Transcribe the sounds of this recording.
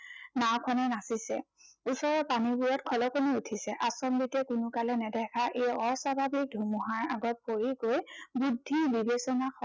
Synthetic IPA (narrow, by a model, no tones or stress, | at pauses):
nawkʰɔnɛnasisɛ̰usɔɹɔpanibujɔtkʰɔlɔkoniutʰisɛʔasɔmbitɛkʊnʊkalɛnɛdʱɛkʰaʔejɔɹsabʱabik̚dʱumuɦaɹaɡɔt̚poɹikojbudʱːibibesɔnakɔ